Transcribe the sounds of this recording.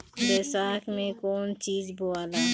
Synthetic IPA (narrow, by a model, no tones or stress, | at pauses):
ɾesaːkmẽkoːnt͡ʃiːzboaːla